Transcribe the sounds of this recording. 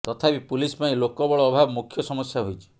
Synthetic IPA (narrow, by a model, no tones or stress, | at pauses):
t̪ɔt̪ʰapipulisɔpaĩlokɔbɔɭɔːbʱabɔmukʰjɔsɔmɔsjaɦojt͡ʃʰi̥